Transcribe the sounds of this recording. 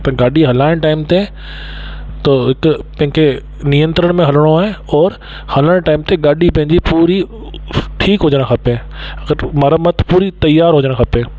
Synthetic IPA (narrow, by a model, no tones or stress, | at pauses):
t̪ɐɡaːɗiɦɐlaːɪɽ̃ʈaːɪmt̪e | t̪oɦɪkʊpɐ̃ɦɪ̃kʰe | nijə̃nt̪ɾəɽ̃mẽɦɐləɽ̃oaːɦeɔːɾ | hɐləɽ̃ʈaːɪmt̪eɠaːɗipɐ̃ɦɪ̃ɲd͡ʑipuːɾi | ʈʰiːkɦʊd͡ʑəɽ̃xʰɐpeɐɡəɾmɐɾəmət̪ʰpuːɾit̪ɐjːaːɾɦʊd͡ʑəɽ̃xʰɐpe